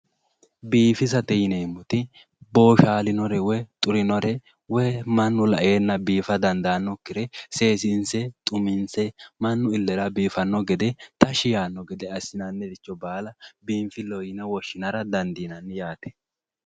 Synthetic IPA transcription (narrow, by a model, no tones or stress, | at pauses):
biːfɪsɐt̪ɛjɪneːmːʊt̪ɪ | bo̞ːʃaːlɪnɔɾɛwɛt̪ʼʊɾɪnɔɾɛ | wɛmɐnːʊlɐʔeːnːɐbiːfɐd̪ɐnd̪anːɔkːɪɾɛse̞ːsɪnsɛt̪ʼʊmɪnsɛmɐnːʊɪlːɛɾɐbiːfɐnːɔɡɛd̪ɛt̪ɐʃɪjaːnːɔɡɛd̪ɛɐsɪnɐnːɛd̪ɪt͡ʃːɔbaːlɐbiːmfɪlɔjɪnɛwɔʃːɪnɐɾɐd̪ɐnd̪iːnɐnːjaːt̪ɛ̥